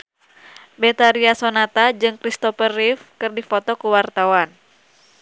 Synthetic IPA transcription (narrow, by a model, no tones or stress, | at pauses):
bɛt̪aɾiasonat̪ad͡ʒɨŋkɾist̪ɔfərifkɨrdifɔt̪ɔkuwart̪awan